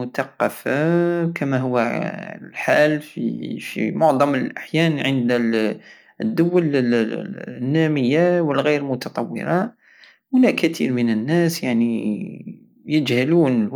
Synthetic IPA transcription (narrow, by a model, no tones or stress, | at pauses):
ʊt̪ɑqːɑfakəmæɦʊwːælħalfḭfḭmʊʕd̪ˤɑməlʔaħjænʕənd̪ | d̪ːʊwːəl | nːæməjːawəlɣiɾlmʊt̪ɑt̪ˤɑwːə̰ɾɑ | wʊnæʔkːət̪ʰḭɾmənənːæsjaʕni | jəd͡ʒhəluːn